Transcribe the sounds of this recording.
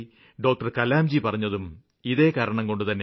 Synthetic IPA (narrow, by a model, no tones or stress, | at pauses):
ɖo̞ːk̚ʈɐrkɐlaːmd͡ʑipɐrɐɲːɐðum | iðe̞ːkaːɾɐɳɐmko̞ɳɖut̪ɐnːe